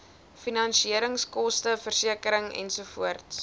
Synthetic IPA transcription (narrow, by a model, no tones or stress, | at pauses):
finɐnʃiəɾəŋskɔstəfərsiəkəɾəŋɛ̰nsufuərts